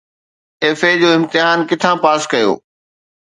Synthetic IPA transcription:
eːfed͡ʑoːɪ̃mt̪ɪɦaːnkɪt̪ʰãpaːskɐjo̰ː

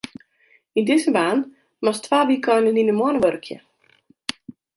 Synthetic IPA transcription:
indɪzəbaːn | mɔstʰʋaːbikʰɔjnəninəmoənəʋørkʰjə̰

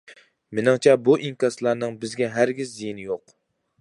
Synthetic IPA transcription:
mɪnɨŋt͡ʃʰɛbuʔiŋkʲɑslˠɑɾnɨŋbɪzɡʲɛɦæɾɡʲɪzːijinɪjoq

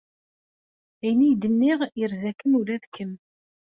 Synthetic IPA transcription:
æjnijd̪ənːiʁjəɾzækːəmuɾæðkːəm

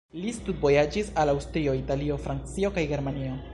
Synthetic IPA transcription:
listut̚bo̞jad͡ʒisalawstɾio̞italio̞fɾant͡sio̞kajɡe̞ɾmanio̞

